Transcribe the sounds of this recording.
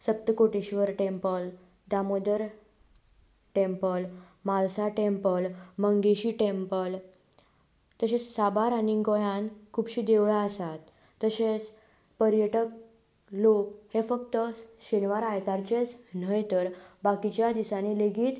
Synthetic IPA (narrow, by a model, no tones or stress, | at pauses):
səp̚t̪əkoʈiɕʋəɾʈempəl | d̪amod̪əɾ | ʈempəl | malsaʈempəlməŋɡeɕiʈempəl | t̪əɕet͡ssabaɾañiŋɡojãnkʰuːbɕiːd̪eʋɭaəsat̪ː | əɕet͡s | pəɾjəʈək̚ | lok̚hefəkt̪əɕenʋaɾajt̪aɾt͡ɕet͡sn̤əjt̪əɾbakit͡ɕjad̪isaneleɡiːt̪